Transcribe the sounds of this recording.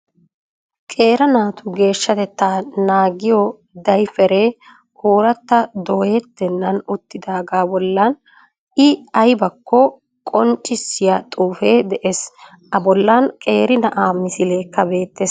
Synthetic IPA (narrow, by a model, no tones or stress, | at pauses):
kʼe̞ːɾɐnaːt̪ʊɡe̞ːʃːɐt̪ɛt̪ːaːnaːɡɪjɔ | d̪ɐjfɛɾeː | hoːɾɐt̪ːɐd̪oːjɛt̪ːɛnːɐnʊt̪ːɪd̪aːɡaːbɔlːɐn | ɪɐjbɐkʰːɔ | kʼɔnt͡ʃʼːɪsːɪjɐt̪ʼuːfe̞ːd̪ɛʔes | ʔɐbɔlːɐnkʼe̞ːɾɪnɐʔaːmɪsɪleːkːɐbe̞ːt̪ːeːs